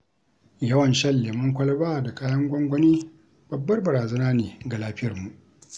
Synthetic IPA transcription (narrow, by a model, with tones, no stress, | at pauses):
jɐ˦wɐ˨nʃɐ˦lːeː˨mʊ˦ŋkʷɐ˦lɐ˦baː˦˨da˨kaː˦jɐ˦ŋɡʷɔ˦ŋɡʷɔ˦niː˦ | b̥ɐ˨bːɐ˦rbɐ˨ɾaː˨zɐ˦naː˦neː˨ɡa˨laː˦ɸɪ˦jɐ˨rmu˨ʔ